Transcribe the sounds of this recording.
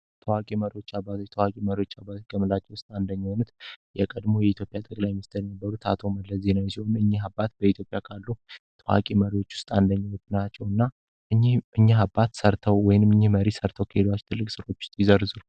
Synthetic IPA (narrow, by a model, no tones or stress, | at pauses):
t̪ʰəwakʼiməɾiwo̞t͡ʃːabːat̪t̪ʰəwakʼiməɾiwo̞t͡ʃːabat̪kʰəmɨlat͡ʃːɛwʊst̪ʼand̪əɲːho̞nut̪jɛkʼəd̪mo̞jɛit̪jo̞pʼːjat̪ʼəkʼlajmɨst̪ʰɨɾjɛnəbːəɾut̪ʰat̪ʰo̞məlːəzenəwjɛsiho̞nɨɲːihabːat̪̚bəit̪ʰjo̞pʼjakʰalːut̪ʰəwa̰kʼiməɾiwo̞t͡ʃːwʊ̥st̪ʼand̪əɲːɛut̪nat͡ʃːɛwɨnːa | ʔɨɲːihʔɨɲːiɦabːat̪səɾt̪ʰəwwɔjnɨmɨɲːihməɾisəɾt̪ʰəwkʰəhed̪wat͡ʃːt̪ʰɨlːɨkʼsɨɾo̞t͡ʃːwʊ̥st̪ʼjɪzəɾzul